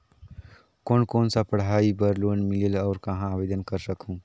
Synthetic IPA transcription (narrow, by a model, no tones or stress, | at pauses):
koːnkoːnsapɐɽ̤aːibəɾloːnmɪlelɔːɾkɐɦãaːbeːd̪ənkɐɾsɐkʰũː